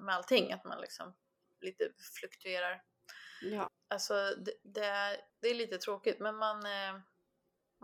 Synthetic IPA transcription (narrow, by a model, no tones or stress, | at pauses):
mɛalt̪ʰɪŋːa̰t̪ma̰nlɪ̰ksɔm | liːt̪əflɵkt̪ʰɵeːɾaɾ | alsɔd̪ɛd̪ɛæɾd̪ɛæɭiːt̪ət̪ʰɾoːkɪt̪mɛnman